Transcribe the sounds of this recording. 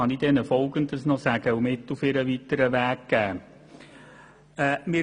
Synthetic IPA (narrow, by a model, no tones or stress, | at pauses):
ɑnid̥ɛnəfɔlɡəndəsnɔsæɡ̥əumɪtːufɪɾəʋitəɾəʋæːkɡ̥æː | ɛːmɪ